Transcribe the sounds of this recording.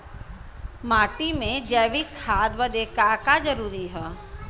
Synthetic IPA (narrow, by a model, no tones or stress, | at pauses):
maːʈimẽd͡ʒɛːʋikʰaːd̪ʋəd̪eːkakad͡ʒəɾuːɾiɦɛː